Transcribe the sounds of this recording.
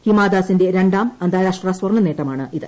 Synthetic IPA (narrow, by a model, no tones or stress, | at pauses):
himaːd̪aːsinde̞ɾe̞ɳɖaːmɐnd̪ʱaːɾaːʂʈraswɐrnːɐneːʈːɐmaːɳɨʔiðɨ